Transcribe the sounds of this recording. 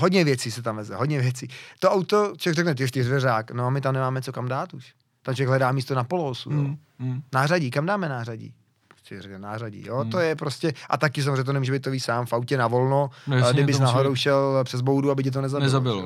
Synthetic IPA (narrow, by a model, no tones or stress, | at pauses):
ɦodɲɛvjɛt͡siːsɛt̪amvɛzɛɦodɲɛvjɛt͡siːt̪oʔawt̪ot͡ʃovjɛɡrɛknɛt̪ɪoʃt̪ɪzvɛɾaːknoamɪt̪̬amnɛmaːmɛt͡sokamdaːt̪uʃ | t̪ant͡ʃojɛɡɦlɛdaːmiːst̪onapolosṵjo | naːraɟiːkamdaːmɛnaːraɟḭː | po̥sɛrɛknɛnaːraɟḭjoːt̪ojɛpɾoscɛʔa̰t̪akɪs̬amozreɲɛt̪onɛmuːʒɛbejt̪ːoviːsaːmfawcɛnavolnonjɡdɪbɪsnaɦoɾowʃɛlpr̥ɛzbowduabɪc̬ɪt̪onɛzanɛzabɪlo